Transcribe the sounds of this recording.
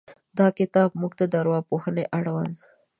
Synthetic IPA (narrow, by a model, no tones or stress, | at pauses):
d̪ɑkɪt̪ɑbmuɡt̪ad̪aɾwɑpohəneʔaɽwan